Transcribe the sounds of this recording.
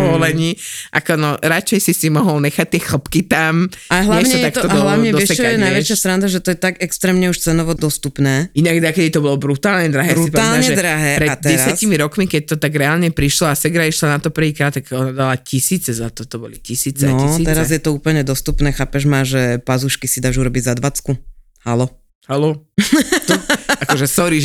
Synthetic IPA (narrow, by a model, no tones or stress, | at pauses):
pɔʋɔlɛɲiːʔakɔnɔɾat͡ʃɛjsisimɔɦɔlɲɛxac̚t̪ɪɛxl̩pkit̪amaɛɦlɛɲt͡ʃɛɔt̪ak̪t̪ɔd̪ɔɦlaɲɛd̪ɔɛaɛnajʋɛt͡ʃjast̪ɾand̪aʒɛt̪ɔjɛt̪aɡɛkst̪ɾɛːmɲɛuʃt͡sɛnɔʋɔd̪ɔst̪upnɛːinaɡd̪akɛd̪it̪ɔbɔlɔbɾut̪aːlɲɛd̪ɾaɦɛːɾsipɔald̪aɲɛʒɛd̪ɾaɦɛːpɾɛdt̪̚ːɛɾsjascimiɾɔkmikɛc̚t̪ɔt̪aɡɾɛaːlɲɛpɾiʃlɔasɛɡɾaiʃlanat̪ɔpr̩ʋiːkɾaːt̪tːaɡɔnad̪alacisiːt͡sɛzat̪ɔt̪ɔbɔ̰licisiːt͡snɛɔisiɛɾazjɛt̪ɔuːpl̩ɲɛd̪ɔst̪upnɛːxaːpɛʒmaʒɛpazuʃkisid̪aːʒuɾɔbiɟzad̪ʋat͡sku | halɔ | halɔ | t̪akkɔʒɛsɔɾiʒ